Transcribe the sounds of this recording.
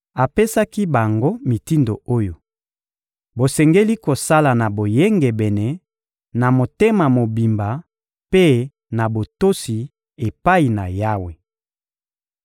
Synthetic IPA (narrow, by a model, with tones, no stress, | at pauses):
a˨pe˦sa˦ki˦ba˨ŋɡo˦mi˨ti˦ndo̰˨o˦jo˨ | bo˨sɛ˨ŋɡe˦li˦ko˨sa˦la˨na˨bo˨je˦ŋɡɛ˨bɛ˨nɛ˦ | na˨mo˨te˦ma˨mo˨bi˨mba˨ | pe˦ | na˨bo˨to˦si˨ | e˨pa˦i˨na̰˨ja˦we˨